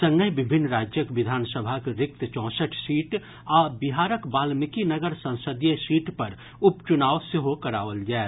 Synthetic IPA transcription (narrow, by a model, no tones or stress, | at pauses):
sə̃ŋɡəjbɪbʱɪnːɾaːd͡ʒjəkʋɪd̪ʱaːnsəbʱakeɾɪk̚t̪t͡ʃɔ̃ːsəʈʰsiːʈ | ɔːbɪɦaːɾəkbaːlmɪkinəɡəɾsə̃w̃səd̪jesiːʈpɐɾ | ʊpt͡ʃʊnaːʋseɦokɐɾa̰ːʋəld͡ʒae